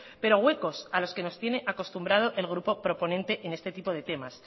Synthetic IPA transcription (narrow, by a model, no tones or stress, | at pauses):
pe̞ɾo̞ɣwe̞ko̞salo̞ske̞no̞st̪je̞ne̞ʔako̞st̪umbɾað̞o̞ʔe̞lɣ̞ɾupo̞pɾo̞po̞nẽnt̪e̞ʔene̞st̪e̞t̪ipo̞ð̞e̞t̪e̞mas